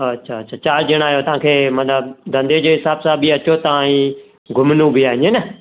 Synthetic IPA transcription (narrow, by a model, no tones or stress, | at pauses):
ɐtːʃʰaːtːʃʰaːt͡ɕaːld͡ʑɪɽ̃aːɦjot̪ɐʋãːkʰeːmɐt̪ləbd̪ʱɐ̃nd̪ed͡ʑoːɦɪsaːbsãbiɐt͡ɕot̪ɐãːĩ | ɡʱʊmnũbiaːɦɪ̃ɲenə